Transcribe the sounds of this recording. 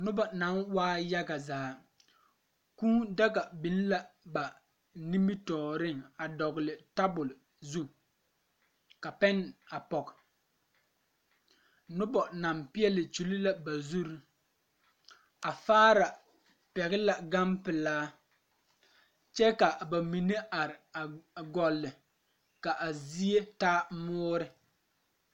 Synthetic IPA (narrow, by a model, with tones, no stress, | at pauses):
nʊ˦bɔ˨na˨˦nwaː˦ja˦ɡa˨zaː˨˦ | kuː˦da˦ka˨bi˨n˦la˦ba˨ | ni˦mi˦tɔː˨ɾɪ˦ŋa˨dɔ˨ɣlɪ˨ta˦bʊ˨l | zu˦ | ka˨pɛ˦na˨pɔ˨k | nʊ˦bɔ˨na˨mpɪ˦ɛ˦lɪ˨t͡ʃu˨li˦la˦ba˨zu˦ɾu˦ | a˨faː˦ɾa˨ | pɛ˨ɣɪ˦la˨ɡa˦mpɪ˨laː˦ | t͡ʃɛ˦ka˨ba˨mi˨ne˦ʔa˨ɾɪ˨a˨ɡɔ˨lːɪ˨ | ka˨ʔa˨zi˦e˦taː˦mʊː˦ɾɪ˦